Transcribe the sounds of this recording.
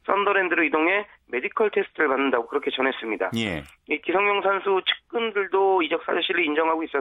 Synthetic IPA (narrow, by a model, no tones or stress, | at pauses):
s͈ʌndʌɾendɯɾoidoŋɦe̞ | me̞dikʰʌɭtʰe̞sʰɯ̥tʰɯɾɯɭmanːɯndaɡokɯɾʌkʰe̞t͡ɕʌnɦe̞s͈ɯmɲida̰je | ikisʰʌŋɲjʌŋsʰansʰut͡ɕʰɯ̥k̚k͈ɯndɯɭdoid͡ʑʌks͈a̰d͡ʑʌɕʰiɾiːnd͡ʑʌŋɦaɡois͈ʌ